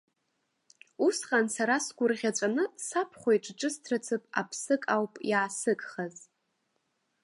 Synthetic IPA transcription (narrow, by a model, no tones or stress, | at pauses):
usχansaɾasɡʷʊrʁʲat͡ʃʷʼanɨsapʰχʷoiʈ͡ʂʼʈ͡ʂʼɨstʰrat͡sʰɨpʼa̰pʰsɨkʼawpʼjaːsɨkʼχaz